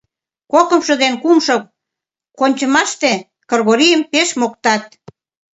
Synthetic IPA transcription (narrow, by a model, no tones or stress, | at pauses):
kokəmʃəd̪enkumʃo | konʲt͡ɕə̆mɑʃt̪e | kərɣoɾijəmpeʃmok̚t̪ɑt̪̚